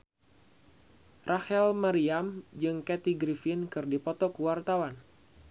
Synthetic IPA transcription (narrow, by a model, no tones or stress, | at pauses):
rʔahɛlmaɾiamd͡ʒɨŋkɛt̪iɡɾifinkɨrdipɔt̪ɔkuwart̪awan